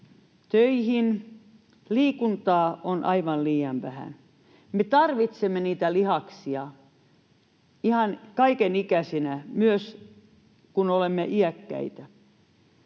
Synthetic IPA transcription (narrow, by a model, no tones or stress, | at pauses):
t̪øihin | liːkunt̪ɑːʔonʔɑiʋɑnliːjɑnʋæhæ̰n | met̪ɑrʋit̪semːeniːt̪ælihɑksiɑ | ihɑnkɑikenikæsinæmyøs | kunolemːeʔiækːæ̰it̪æ